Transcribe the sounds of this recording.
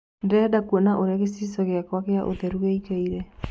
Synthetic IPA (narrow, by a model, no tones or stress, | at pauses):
ndɛdakuɔnaʔoɾaɣesisɔɣeakwakeaʔo̰ðɛɾuɣikaiɾɛ